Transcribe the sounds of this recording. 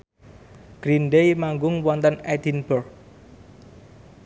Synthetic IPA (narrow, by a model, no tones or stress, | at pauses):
ɡ̥ɾinɖejmaŋɡʊŋwɔnt̪ənɛd̪inbərk